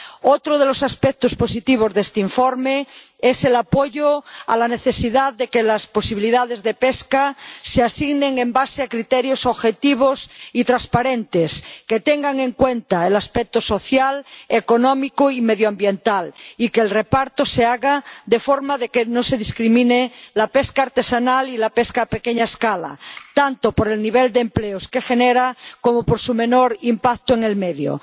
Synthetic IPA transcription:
ot̪ɾoð̞elosaspek̚t̪osposit̪iβ̞ozðest̪eiɱfoɾme | eselapoʝoa̰laneθesiðaððekelasposiβiliðað̞ezðepeskaseasiɣnẽŋembaseakɾit̪eɾjosoβxet̪iβ̞osit̪ɾaspaɾent̪esket̪eŋɡaŋe̞ŋkwent̪aelaspek̚t̪osoθjalekonõmikoimeðjoambje̞nt̪alikeːlrepaɾt̪oseaɣad̪e̞foɾmaðe̞kenose̞ðiskɾimĩnelapeskaːɾt̪esanalilapeskaːpekeɲaeskala̰t̪ant̪opoɾe̞lniβ̞eld̪empleoske̞xeneɾakomopoɾsume̞noɾimpak̚t̪oeŋe̞lmeðjo̰

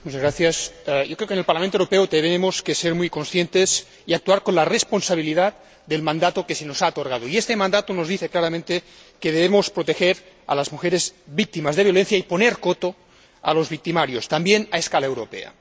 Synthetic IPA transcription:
mut͡ʃazɣɾaθjasjokɾeokenelpaɾlamẽnt̪oewɾopeot̪eβeemoskeseɾmujkonsθjent̪es | iak̚t̪uaɾkonlaresponsaβ̞iliðat̪̚ | d̪elmãnd̪at̪okesenosaot̪oɾɣað̞oiest̪emãnd̪at̪onozðiθeklaɾamẽnt̪e | keðeβemospɾot̪exeɾ | a̰lazmuxeɾezβik̚t̪imazðeβjo̞lenθjaiponeɾkot̪o | a̰lozβik̚t̪imaɾjost̪ambjenaeskalaewɾopḛa̰

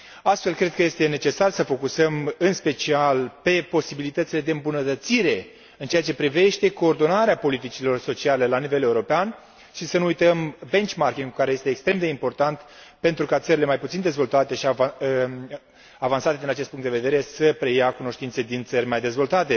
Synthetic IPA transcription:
ast̪fe̞lkɾe̞d̪̚kəje̞st̪e̞ne̞t͡ʃe̞sarsəfo̞kusəmɨnspe̞t͡ʃialpe̞po̞sibilit̪ət̪sile̞d̪eɨmbunət̪ət̪siɾe̞ | ɨnt͡ʃeat͡ʃe̞pɾive̞ʃt̪e̞ko̞ːrd̪o̞naɾeapo̞lit̪it͡ʃilo̞rso̞t͡ʃiale̞lanive̞le̞uɾo̞pean | ʃisənuujt̪əmbe̞nt͡ʃmarkʲiŋɡkaɾeje̞st̪eːkst̪ɾe̞md̪eimpo̞rt̪ant̪pe̞nt̪ɾukat̪səɾile̞majput̪sind̪e̞zvo̞lt̪at̪e̞ʃi | avansat̪e̞d̪inat͡ʃest̪puŋkt̪d̪eved̪e̞ɾe̞səpɾe̞jakuno̞ʃt̪int̪se̞d̪int̪sərʲmajd̪e̞zvo̞lt̪at̪e̞

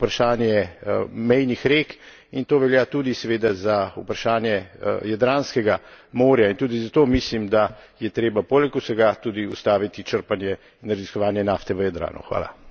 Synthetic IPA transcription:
upɾaʃaːnjɛmɛjnixɾek | int̪oːʋɛljat̪uːd̪isɛʋeːd̪azaṵpɾaʃaːnjɛjad̪ɾaːnskɛɡamoːɾjaint̪uːd̪izat̪oːmislimd̪ajɛt̪ɾeːbapoːlɛkusɛɡat̪uːd̪iust̪aːʋit̪it͡ʃəɾpanjɛ | inɾaziskɔʋaːnjɛnaːft̪ɛʋəjad̪ɾa̰ːnṵxʋa̰ːla̰

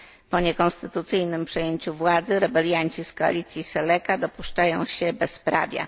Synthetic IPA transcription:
pɔɲɛkɔnst̪ɘt̪ut̪sɘjnɘmpʂɛjeɲt͡ɕuvwad̪zɘɾɛbɛlʲjaɲt͡ɕiskɔa̰lʲit̪sʲjisɛlɛkad̪ɔpuʂt͡ʂajɔ̃w̃ɕɛbɛspɾa̰vʲja̰

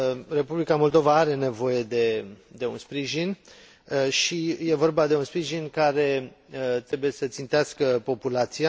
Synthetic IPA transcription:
re̞publikamo̞ld̪o̞vaaɾe̞ne̞vo̞je̞d̪e̞d̪e̞ṵnspɾiʒin | ʃije̞vo̞rbad̪e̞unspɾiʒinkaɾe̞ | t̪ɾe̞buje̞sət̪sint̪easkəpo̞pulat̪sija

